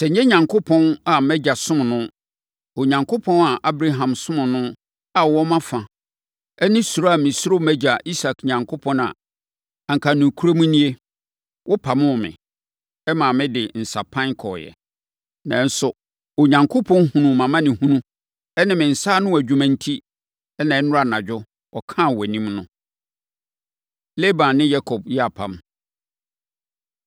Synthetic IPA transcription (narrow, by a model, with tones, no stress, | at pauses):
sɛ˨ɲ̩˦ɲɛ̃˦ɲã˨ŋkʰo˦pʰɔ̃˦na˨mɛ˦d͡ʑa˨sʊ̃˦m˨nʊ̃˦ | o˨ɲã˨ŋkʰo˦pʰɔ̃˦na˨ʔa˦bɾa˦ɦã˨msʊ̃˦mʊ̃˨nʊ̃˦ | a˨wɔ˦mã˦fã˨ | ɛ˦nɪ̃˦su˨ɾa˦a˨mɪ̃˨sʊ˦o˦mæ˦d͡ʑa˨ʔi˦sa˨kɲã˨ŋkʰo˦pʰɔ̃˦na̰˨ | a˨ŋ̩˨kʰa˨nũ˨kʰu˦ɾo˦mũ˦nĩ˦e˦ | wʔɔ˦pʰa˨mʊ̃˦˨mɪ̰̃˨ | ɛ˦mã˨mɪ̃˦dɪ˨n̩˨sa˨pʰã˦ŋkʰɔ˨jɛ̰˨ | nã̰˨n̩˦sʊ˨ | o˨ɲã˨ŋkʰo˦pʰɔ̃˦n˦ɦũ˨nũ˨mã˨mã˦nɪ̃˨hũ˦nũ˦ | ɛ˦nɪ̃˨mɪ̃˨n̩˨saː˦nʊ̃˦wæ˨d͡ʑᶣu˨mã˨n̩˦tʰi˦ | ɛ˦nã˨ɛ˦nʊ̃˦a˨nã˨d͡ʑᶣʊ˦ | ɔ˨kʰã˦˨wɛ˨nĩ˦mnʊ̃˦ | le˦bã˨nnɪ̃˦ja˦kʰɔ˨b̚jɛ˦a˨pʰã̰˨m